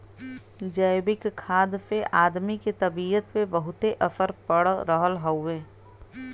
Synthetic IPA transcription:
d͡ʒəɪbɪkkʰːaːd̪peʔaːd̪miket̪ɐbiːət̪pebəɦʊt̪eʔɐsəɾpəɽɾəɦəlɦoʊeː

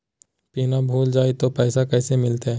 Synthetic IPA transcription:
piːnabʱuːld͡ʒaːit̪opɛːsakɛːsemɪlt̪eɦɛː

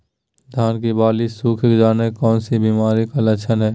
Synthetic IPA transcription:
d̪ʱaːnk̬ibaːlisuːkʰkd͡ʒaːnekɔːnsibiːmaːɾikɐlɐt͡ʃʰənɦɛː

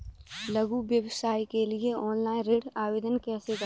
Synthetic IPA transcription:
lɐɡuʋjəʋsaːikelieɔːnlaːĩnɾeːɽaːʋeːd̪ənkɛːseɡə

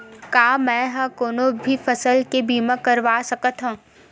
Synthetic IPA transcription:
kaːmɛ̃ːɦãkoːnobʱifɐsəlkebiːmãkɐɾʋaːsɐkət̪ɦũː

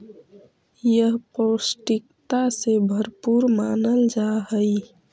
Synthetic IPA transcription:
jəɦposʈikt̪asebʱəɾpuɾmaːnəld͡ʒaɦəj

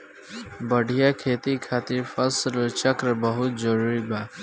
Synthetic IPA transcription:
bəɖʱijakʰeːt̪ikʰaːt̪ɪɾfɐslt͡ʃəkɾbəɦʊt̪̚zəɾuːɾibaː

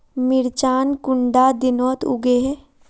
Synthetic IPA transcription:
mɪɾt͡ʃaːnkʊɳɖad̪ɪnɔːt̪ʊ̰ɡeɦe

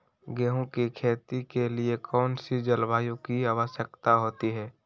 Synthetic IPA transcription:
ɡɛːɦõkikʰeːt̪ikeliekʰɔːnsid͡ʒəlʋaːjõkiaːʋəʃjəkt̪aɦoːt̪iɦɛː

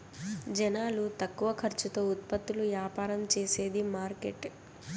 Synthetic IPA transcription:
d͡ʒɛnaːlut̪ɐkːuʋɐkʰɐɾt͡ʃut̪o̞ːut̪̚pɐt̪ːuluʋjaːpaːɾɐmt͡ʃeːse̞ːd̪imaːɾkeʈ

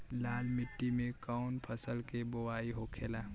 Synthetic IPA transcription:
laːlmɪʈːimẽkaʊnpʰəsəlkebowaːiɦokʰeːlaː

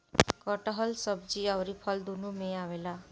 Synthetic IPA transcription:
kʌʈaɦʌlsʌb̚d͡ziawɾipʰʌld̪unumeawela

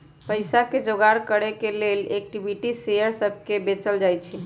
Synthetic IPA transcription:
pəjsaked͡ʒoɡaɾkəɽekelelek̚ʈibʱiʈisejəɾsəb̚ʱkebet͡ʃəld͡ʒajt͡ʃʰi

